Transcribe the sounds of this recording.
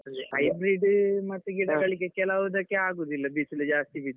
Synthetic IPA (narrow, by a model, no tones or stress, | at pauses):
ɐjbɾiɖmɐt̪ːuɡiɽɐɡɐɭiɡekɛlaʋud̪ɐkːeaːɡoːd̪uilːɐbiːsuled͡ʒaːst̪ibid̪